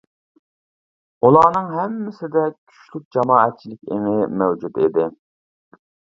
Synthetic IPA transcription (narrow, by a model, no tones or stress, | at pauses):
ulˠɑːnɨŋɦɛmːɪsɪd̪ɛkʲʰy̥ʃlyk̚ʲd͡ʒɑmɑːɛt̪̚t͡ʃʰilɪkʲḛŋɪmɛwd͡ʒut̪ed̪ɪ